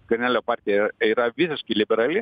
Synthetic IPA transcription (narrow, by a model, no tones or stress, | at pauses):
kɐɾʲnʲæːlʲoːpɑːɾʲt̪ʲɪjɛiːɾɐʋʲɪsʲɪʃkɐɪlʲɪbʲɛɾɐlʲɪ